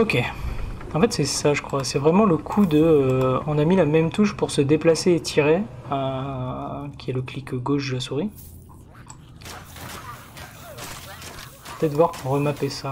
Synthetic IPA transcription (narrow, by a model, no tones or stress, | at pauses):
ɔkʲe | ɑ̃fɛt̪sɛsaʒəkχwasɛvʁɛmɑ̃ləkʰud̪əɔ̃namilamɛmt̪uʃpuʁsəd̪eplaseːt̪ʰiʁeø | kʲiɛləklikɡoʃd̪əlasuʁi | pə̥t̪ɛt̪əvwaʁpuʁːəmapesa